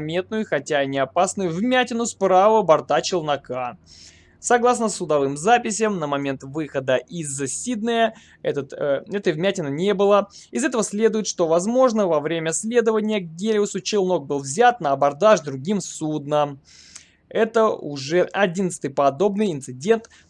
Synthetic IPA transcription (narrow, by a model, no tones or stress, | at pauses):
mʲe̞t̪̚nʊjʊxɐtʲanʲɪɐpasnʊjʊvmʲætʲɪnʊspɾavəbɐrt̪at͡ɕɪlˠnɐka | sɐɡlˠas̬nəsːʊd̪ɐvɨmzapʲɪsʲəmnəmɐmʲe̞nt̪vɨxəd̪əʔizːəsʲid̪nəjə | ɛt̪ət̪ɛt̪əvmʲætʲɪnənʲe̞bɨlˠəɪzɛt̪əvəsʲlʲe̞d̪ʊjɪt̪ʂt̪o̞vɐzmo̞ʐnəvɐvɾʲemʲəsʲlʲe̞d̪əvənʲɪjəɡɡʲelʲɪʊsʊt͡ɕɪlˠno̞k̚bɨlˠvzʲat̪nəɐbɐrd̪aʐd̪ɾʊɡʲimsud̪nə | ɛt̪əʊʐɛɐdʲinət̪sɨ̥t̪ɨjpɐd̪o̞bnɨjɪnt̪sɨdʲe̞nt̪